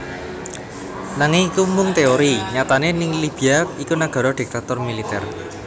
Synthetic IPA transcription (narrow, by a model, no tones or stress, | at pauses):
naŋɪŋikumʊŋt̪eoɾiɲat̪anenɪŋlib̥iaikunaɡ̥ɔ̤ɾɔɖ̥i̤k̚t̪at̪ʊrmilit̪ɛ̰r